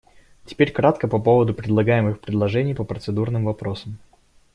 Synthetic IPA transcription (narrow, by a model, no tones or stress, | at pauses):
tʲɪ̥pʲeɾʲkɾat̪kəpɐpo̞vəd̪ʊpɾʲɪd̪lˠɐɡajɪmɨxpɾʲɪd̪lˠɐʐɛnʲɪjpəpɾət̪sɨd̪urnɨmvɐpɾo̞səm